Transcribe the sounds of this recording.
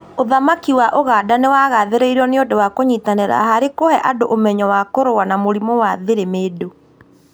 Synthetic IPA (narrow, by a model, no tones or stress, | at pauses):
oðamakiwaʔoɣaːdanewaɣaðeɾeiɾɔneondowakoɲitaneɾa̰ɦaɾekohɛʔadoʔomɛɲɔwakoɾowanamoɾimowaðeɾemeːdo